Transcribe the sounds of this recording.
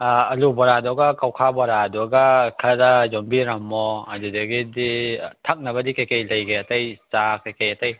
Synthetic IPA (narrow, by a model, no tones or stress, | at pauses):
ɐlubɔɾadɔɡɐkawkʰabɔɾadɔɡakʰɐɾɐzombiɾɐmɔɐdudɐɡiditʰɐk̚nɐbɐdikɐjkɐjlɐjɡeɐtɐjt͡ʃakɐjkɐjɐtɐj